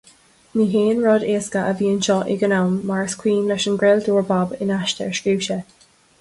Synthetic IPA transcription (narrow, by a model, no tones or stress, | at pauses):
miːɦeːnɹɔdeːskəʔəviːənʃɔʔɪ̰ɡənawmːaɹskʰw̥iːnlɛʃənɡɹɛlduːɹbabɪnaʃtə̰ɹʃiwʃə